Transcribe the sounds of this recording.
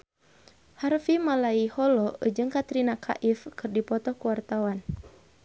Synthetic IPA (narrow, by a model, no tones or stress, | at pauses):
harfimalaihɔlɔd͡ʒɨŋkat̪ɾinakʰa̰ʔifkɨrdipɔt̪ɔkuwart̪awan